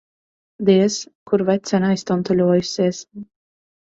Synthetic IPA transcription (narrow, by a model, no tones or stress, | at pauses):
d̪iɛskuɾvɛt̪sʲɛnajst̪ɔnt̪ulʲuɔjusʲiɛs